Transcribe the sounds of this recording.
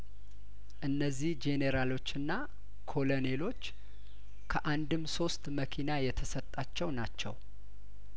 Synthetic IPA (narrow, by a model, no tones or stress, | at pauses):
ʔɨnːəzːihd͡ʒeneɾalo̞t͡ʃːɨnːa | kʰo̞lone̞lo̞t͡ʃː | kʰəʔand̪ɨmso̞st̪məkʰinajɛt̪ʰəsət̪ʼːat͡ʃːɛwnat͡ʃːɛ̰w